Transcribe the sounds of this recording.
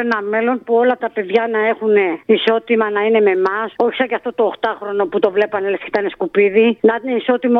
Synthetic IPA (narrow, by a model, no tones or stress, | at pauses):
enɐme̞lo̞npuo̞lɐt̪ɐpe̞ðʝɐnɐe̞xune̞iso̞t̪imɐnɐine̞me̞mɐso̞çi̥sɐɲɟɐft̪o̞t̪o̞ːxt̪ɐxɾo̞no̞put̪o̞vle̞pɐnelesket̪ɐneskupiðinɐneiso̞t̪im